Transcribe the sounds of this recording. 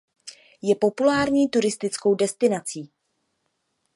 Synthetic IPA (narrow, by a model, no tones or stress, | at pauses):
jɛpo̞pulaːɾɲiːt̪uɾɪst̪ɪt͡sko̞wdɛst̪ɪnat͡siː